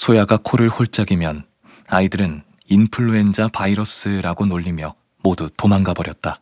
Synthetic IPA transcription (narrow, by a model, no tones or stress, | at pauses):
sʰojaɡakʰoɾɯɭɸoɭt͡ɕ͈aɡimjʌn | aidɯɾɯn | inpʰɯɭːue̞nd͡ʑapaiɾʌs͈ɯɾaɡonoʎːimjʌ | modutomaŋɡabʌɾjʌt̚t͈a